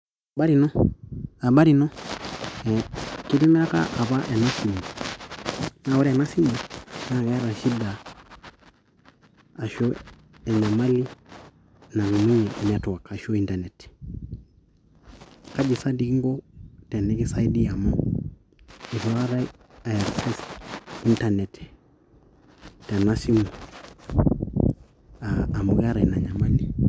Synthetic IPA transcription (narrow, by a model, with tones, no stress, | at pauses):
ba˦ɾi˨nɔ˦a˨ba˦ɾi˨nɔ˦ | ɛ˨ki˦di˦mɛ˦a˦ka̰˦ʔa˨βa˦ʔɛ˨na˦si˨mu˨ | na˦ɔ˦ɾɛ˨na˦si˦mɔ˨na˦˨ɡɛ˦ɾa˨ʃi˦da˨ | ʃɔ˦ | ɛ˨ɲa˨ma˦li˦ | na˨ŋu˨mi˦ɲɛ˨na˨twa˨ka˨ʃɔ˦i˦nda˨nɛ˨t | ka˦d͡ʒi˨sa˦di˦kŋɡɔ˦tɛ˨nɛ˦kɛ˦sa˦i˦di˦a˨mɔ˦ | i˨tu˦a˦ɾa˦ | aɾsɛ˦si˦nta˦nɛ˨tɛ̥ | ta˨na˦si˦mu˨ | aː˨mu˨ɣa˦ɾa˨i˨na˨ɲa˨ma˦li˨